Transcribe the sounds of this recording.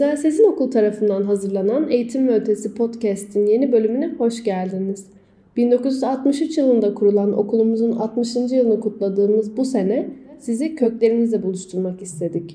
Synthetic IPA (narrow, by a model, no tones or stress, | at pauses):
zanʲsizino̞kʰulˠt̪ʰaɾafɯnd̪anɦazɯɾlˠanane̞jit̪ʰimvɛølʲt̪ʰe̞sipʰo̞t̪cɛst̪ʰinje̞nibø̞lʲymynɛho̞ʃɟælʲd̪iniz̥ | b̥ind̪o̞kuzyzat̪mɯʃyt͡ʃjɯlˠɯnd̪akʰuɾulˠano̞̰kʰulˠumuzunat̪mɯʃɯnd͡ʒijɯlˠɯnɯkʰut̪lˠad̪ɯːmɯzbuse̞nɛsizicʰø̞clʲe̞ɾinizd̪ʲɛbulˠuʃt̪ʰuɾˠmakist̪ʰe̞d̪ic